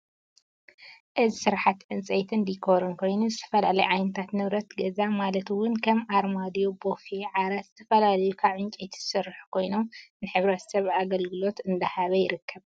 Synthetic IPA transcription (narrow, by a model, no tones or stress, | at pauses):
ʔɨzisɨɾħat̪ʕɨnt͡sʼɐjt̪ʰɨnd̪ikʰo̞ɾɨnkʰo̞jnuzɨt̪ʰɐ̥fɐlalɐjʕajnɐt̪ʰat̪nɨβɾɐt̪ɡɐzamalɐt̪wʊnkʰɐmʔaɾmad̪ijobo̞feʕaɾat̪z̥ɨt̪ʰɐfɐlalɐjukʰaβʕɨnt͡ʃʼejt̪ʰzɨ̥sɨɾħu̥kʰo̞jno̞mnɨħɨβɾɐt̪sɐβaɡɐlɡɨlo̞t̪ɨnd̪ɐhaβɐjɪɾɨkʰːɐβ